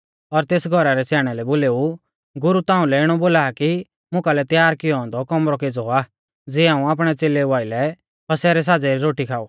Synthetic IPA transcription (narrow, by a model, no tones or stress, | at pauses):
ɔɾt̪eːsɡʱɔɾaɾɛsɛːɽ̃ɛlɛboːleːu | ɡʊɾut̪ãːũlɛɪɽ̃ɔboːlaːki | mʊ̃kalɛt̪jaːɾkɪjɔɦɔ̃ːnd̪ɔkɔmɾɔkeːd͡zɔaː | d͡ziːãːũaːp̬ɽ̃ɛt͡seːleʋaːɪlɛ | pɐsɛːɾɛs̬aːd͡zɛɾiɾoːʈikʰaːuː